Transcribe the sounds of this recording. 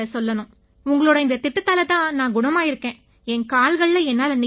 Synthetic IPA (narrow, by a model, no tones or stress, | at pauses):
ɐsɔlːɐnʊ̃ | ʊŋɡɐɭoːɽɐɪnd̪ɐt̪ɪʈːɯt̪ːaːlɐt̪ãːnãːɡʊɳɐmaːɪɾɯkːẽː | ɛŋkaːlɣɐɭːɐɛnːaːlɐnɪ